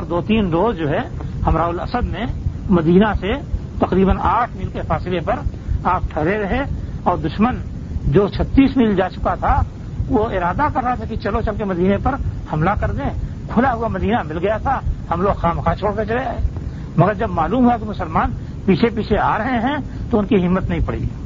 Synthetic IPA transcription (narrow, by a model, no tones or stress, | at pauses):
ɔːɾd̪oːt̪iːnɾoːzd͡ʒoːɦɛhɐmɾaːʊlɐ̰səd̪mẽmɐd̪iːnaset̪ɐqɾiːbənaːʈʰmiːlkefaːsɪlepɐɾaːp̚ʈʰɛɦɾeɾɐɦeɔːɾd̪ʊʃmən | d͡ʒoːt͡ʃʰət̪ːiːsmiːld͡ʒaːt͡ʃʊkat̪ʰa | ʋoɪɾaːd̪akɐɾːəɦat̪ʰakit͡ʃɐlot͡ʃɐlkemɐd̪iːnepɐɾhɐmlakɐɾd̪ẽ | kʰʊlaɦʊamɐd̪iːnamɪlɡɐjat̪ʰahɐmloːɡxaːmxat͡ʃʰoːɽket͡ʃɐleaeː | mɐɡəɾd͡ʒɐbmaːluːmɦuakimʊsəlmaːn | piːt͡ʃʰepiːt͡ʃʰeaːɾəɦeɦɛ̃t̪oʊnkiɦɪmːət̪nɐɦĩpɐɽḭ